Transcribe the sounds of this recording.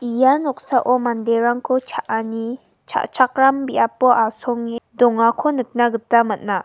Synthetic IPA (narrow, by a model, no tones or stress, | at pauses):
ijanɔk̚saʔɔmandeɾaŋkʰɔt͡ʃʰaʔani | t͡ʃʰa̰ʔt͡ʃʰak̚ɾambiapɔʔasɔŋidɔŋakʰɔnɯk̚naɡɯtamat̚na